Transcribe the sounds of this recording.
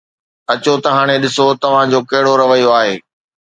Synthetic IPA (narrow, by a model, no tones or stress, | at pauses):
ɐt͡ɕot̪ɐɦaːɽ̃eɗɪsot̪ɐʋ̤ãd͡ʑoːkɐɦɪɽoɾɐʋəjoaːɦeː